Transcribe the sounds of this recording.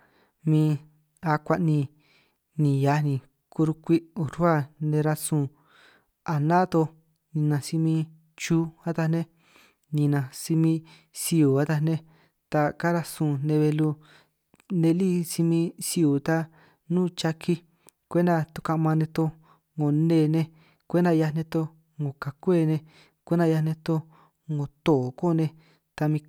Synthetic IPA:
mĩ˧ | a˧kʷa˧ʔnĩ˧ | nĩ˨ja˨˧˦nĩ˨ | ku˧ɾu˧kʷi˦u˨ɾu˦a˦˨nẽ˧ɾa˧sũ˧˨ | a˨nã˦t̪o˧ | nĩ˧nã˧si˧mĩ˧ | t͡ʃu˦a˦t̪a˧nẽ˦ | nĩ˧nã˧si˧mĩ˧ | si˧u˨a˦t̪a˧nẽ˦ | t̪a˧ka˦ɾa˧sũː˨nẽ˧βe˧lu˧ | nẽ˧li˦˨si˧mĩ˧si˧u˨t̪a˧ | nũː˦˨t͡ʃa˧kʰi˧ | kʷe˦nd̪a˧t̪u˧ka˧mã˧nẽ˧t̪o˧ | ŋɡo˨nẽ˧˨nẽ˧ | kʷe˦nd̪a˧ja˧nẽ˧t̪o˧ | ŋɡo˨ka˨kʷe˦˨nẽ˧ | kʷe˦nd̪a˧ja˧nẽ˧t̪o˧ | ŋo˨t̪o˨ko˦˨˧nẽ˧ | t̪a˧mĩ˧

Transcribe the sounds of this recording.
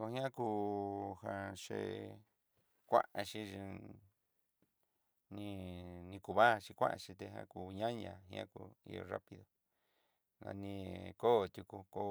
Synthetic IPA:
o˧hj̃ã˦kuː˧hã˧ʂḛ˧ | kʷã̰˦ʔa˧ʃĩ˧i˧ | nĩ˧nĩ˧ku˧βa˦˧t͡ʃi˧kʷã̰˦ʔã˧t͡ʃĩ˧t̪e˧ɦã̰˧ku˧ɲã˦ɲã˧ɦĩ˧ã˦ku˧ḭ˧jo̰˧ra˦pi˧ðo˨ | na̰˧nĩ˧ko˦˨t̪ʲu˧ku˧ko˧

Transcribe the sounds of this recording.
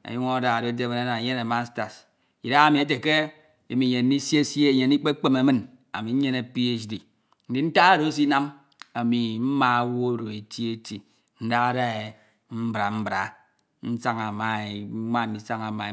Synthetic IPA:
a̰˨ju˦ŋo˦da˨ɾo˦de˦me˦na˦na˨je˦ne˨ma˦sta˨s | i˨da˦a˦mi˨e˦t̬e˨ke˦ | i˨mi˨ɲe˨n̩˦i˦si˦e˦sje˦je˨n˦i˦k͡pe˦k͡pe˦me˨˦mɨ˦n | a̰˨mi˨˦ɲe˦ne˨pi˦e˦sdi˨ | n̩˦di˨n̩˦ta˦a˦ɾo˨˦s̬i˦na˦m | a˨mi˨m̩˦ma˨˦wo˦˨ɾo˨e˨ti˦e˦ti˨ | n̩˦da˦ɣa˦ɾa˦e˨ | m̩˦bɾa˨m̩˦bɾa˨ | n̩˦sa˦ŋa˨ma˨e˨˦ma˦˨n̩˦i˨sa˦ŋa˨ma˨

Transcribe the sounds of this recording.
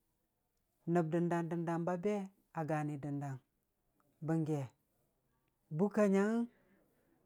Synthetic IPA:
nə˨b̚də˨nda˨ndə˨nda˨mba˦be˦ | a˨ɡa˨ni˨də˨nda˨ŋ | bə˨ŋɡe˨ | bu˦ka˨ɲa˦ŋ

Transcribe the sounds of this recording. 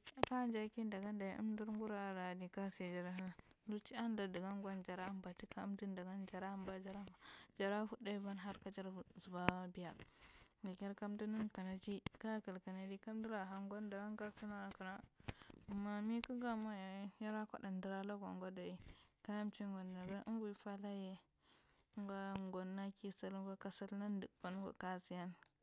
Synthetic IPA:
ka˦nd͡ʒa˦ki˦nda˨ɡa˦nda˨jḭ˦ʔṵ˦mdi˦ɾŋɡu˦ɾa˦˨ɾa˨di˨ka˦se˨d͡ʒa˨ɾa˨ɦa˦lu˦t͡ʃi˦a˦n˦da˨di˨ɡa˦ŋɡʷa˦nd͡ʒa˨ɾa˦mba˨ti˦ka˦u˦mdi˦nda˨ɡa˦nd͡ʒa˨ɾa˦mba˨d͡ʒa˦ɾa˦˨d͡ʒa˨ɾa˦fu˦da˦i˦va˦nɦa˦ɾka˦d͡ʒa˦ɾzu˨ba˦bi˨ja˨ | ɡa˨kʲe˦ɾka˦mdu˦ni˦nka˨na˨d͡ʒi˦ka˦ka˨lka˨na˨˦d͡ʒi˦ka˦m˦di˦ɾa˨ɦa˨ŋɡo˦nda˨ɡa˦nka˦su˦na˦˨ka˨na˦˨ | mːa˦mi˦ku˦ɡa˦ma˦ja˨˦ja˦ɾa˦ko̰˦da˨ndə˨ɾa˦la˦ɡa̰˨ŋ˦ɡo˦da˨i˦ka˦ja˦mt͡ʃi˦ŋ˦ɡo˨nda˨ɡa˦n̰˦bu˨˦fa˦la˦je˨˦ | ŋɡa˦ŋɡo˨nːa˦ki˦sa˦lɡa˦ka˦sa˦lna˦n˦dɨ˨kb̥a˦n˦ɡo̰˨ka˦si˨ja˦n

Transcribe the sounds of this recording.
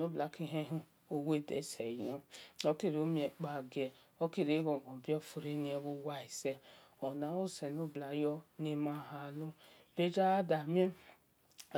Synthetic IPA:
no˦bla˨ki˦ɦe˦ɦu˦ | o˦we˦˨dḛ˨˦se˨jo˦o˦ki˦ɾo˦mi˦e˨k͡pa˨ɡe˨ | o˦ki˦ɾi˨˦ɡo˨ɡɔ˨bjɔ˦fu˨ɾe˦ni˦e˦bu˦wa˦i˨se˦ | ɔ˨na˨˦o˦se˨no˦bla˨jɔ˦ne˦ma˦˨ɦa˨lu˦ | be˦d͡ʒa˦da˨m˦e˦

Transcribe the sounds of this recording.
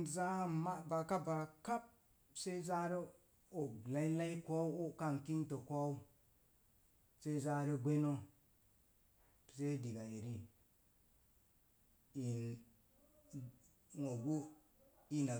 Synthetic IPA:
za˦ma˦ba˨ka˦ba˨ka˦p̚ | se˦za˦ɾi˦ | o˨la˦i˦la˦i˦ko˦o˦ka˦nki˦nto˨kʷo˦u˦ | se˦za˦ɾi˦ɡʷe˦no˦˨ | se˦di˨ɡa˨e˨ɾi˦ | i˨ | ŋo˨ɡu˦ | i˦na˨

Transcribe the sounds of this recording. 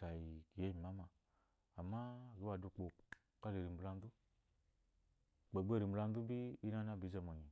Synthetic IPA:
a˨ji˨ki˨je˦mi˨ma˦maː˧˨ | ma˦˨ɡi˦wa˨du˧k͡po˨ | ka˦le˨ɾi˨m̩bla˧n˦du˦ | k͡pe˨ɡ͡be˦˨ɾi˨m˨ba˧n˦du˦bi˦i˦na˦na˦bi˨˦za˨mo˨ɲi˨

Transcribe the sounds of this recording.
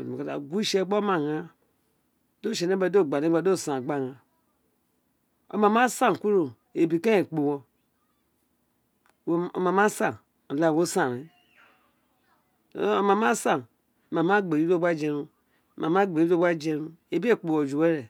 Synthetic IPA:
o˨ka˨da̰˨ɡʷu˦ʃe˦ɡ͡bo˦ma˨ŋa˨ | do˦˨ʃe˨ne˦ba˨do˦˨ɡ͡ba˨ne˦a˨˦do˦˨sa˨ɡ͡ba˦˨ŋa˨ | o̰˨ma˨ma˦sa˦˨ku˦ɾo˨ | e˨bi˨ke˦e˨k͡po˨wɔ˨˦ | o̰˨ma˨ma˦sa˨ | la˦˨wo˦sã˨ɾi˨˦˨ | o˨ma˨ma˦sa˨n˨ | ma˨ma˦ɡ͡be˨i˦o˦ɡ͡ba˦d͡ʒe˨ɾu˦˨ | ma˨ma˦ɡ͡be˨˦i˦o˦ba˦d͡ʒe˨ɾu˦ | e˨bi˦e˦˨k͡po˨wo˨d͡ʒu˨we˦ɾe˨

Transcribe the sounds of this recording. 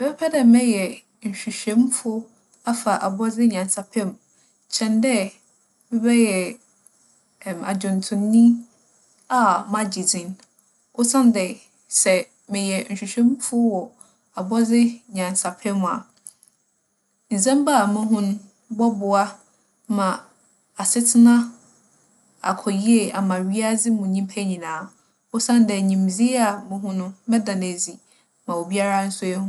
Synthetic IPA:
mɛ˨bɛ˦pʰɛ˦dɛ˨mɛ̃˦jɛ˨ | n̩˨ɕᶣi˨ɕᶣɛ̃˦mfʊ˦ | a˦fa˨ʔa˨bɔ˦d͡zɪ˦ɲã˨n˨sa˨pʰɛ̃˦m | t͡ɕʰɛ̃˨ndɛ˦ | mɪ̃˦bɛ˦jɛ˨ | ma̰˨d͡ʑʊ̃˨n˨tʰʊ̃˨nːĩ˦ | a˦˨mã˦d͡ʑi˨d͡zĩ˨n | ʔʊ˦sã˦n˦dɛ˨ | sɛ˨ | mɪ̃˨jɛ˨n̩˨ɕᶣi˨ɕᶣɛ̃˦mfʊ˦wɔ˨ | a˨bɔ˦d͡zɪ˦ɲã˨n˨sa˨pʰɛ˦mʊ̃˨a̰˨ | n̩˨sɛ̃˦mba˦˨mʊ̃˦ɦʊ̃˦nʊ̃˦ | bɔ˦bʊ˨a˦ | mã˨ | a˨sɪ˦tʰɪ˦nã˦ | a̰˨kʰɔ˨ji˦e˨a˨mã˨ɥi˦a˦d͡zɪ˦mʊ̃˨ɲĩ˦m˦pʰæ˦ɲĩ˨nãː˨˦ | ʊ˦sã˦n˦dɛ˨ɲĩ˨m˨d͡zi˦a˨mʊ̃˦ɦʊ̃˦nʊ̃˦mɛ̃˦dã˨n˨æ˨d͡zi˨ | mã˨o˨bi˦a˦ɾa˦n̩˦sʊ˦ɛ˦hʊ̃˦

